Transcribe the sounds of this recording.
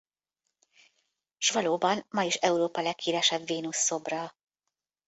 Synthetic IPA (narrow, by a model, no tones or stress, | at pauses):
ʃvɒloːbɒnmɒjiʃɛuɾoːpɒlɛkːiːvɛʃɛbviːnusːo̞brɒ